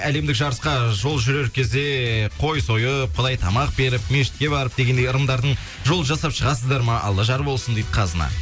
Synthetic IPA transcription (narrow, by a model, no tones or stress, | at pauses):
æle̞md̪ɪkʒɑɾəsqɑʒo̞lˠʒʏɾe̞ɾkʲʰe̞zd̪e̞qʰo̞jso̞jəp̚qʰʊd̪ɑjt̪ʰɑmɑq̚be̞ɾɪpme̞ʃɪ̥t̪̚kʲe̞βɑɾəp̚d̪e̞ɡʲe̞nd̪ejəɾənd̪ɑɾd̪əɴ | ʒo̞lˠəʒɑsɑpʃəʁɑsəzd̪ɑɾmɑʔɑ̰lˠːəʒɑɾbo̞lˠsənd̪ejd̪əqʰɑzənɑ̰